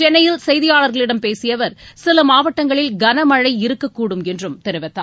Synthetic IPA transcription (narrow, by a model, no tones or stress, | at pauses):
t͡ʃɛnːɐjɪlsɛjðɪjaːɭɐɾɣɐɭɪɽɐmpeːsɪjɐʋɐɾsɪlɐmaːʋɐʈːɐŋɡɐɭɪlɡɐnɐmɐɻɐɪɪɾɯkːɐkːuːɽɯmɛndrɯmt̪ɛɾɯʋɐt̪ːaː